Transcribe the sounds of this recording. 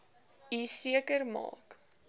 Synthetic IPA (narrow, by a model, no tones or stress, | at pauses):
isiəkərmɑ̰ːk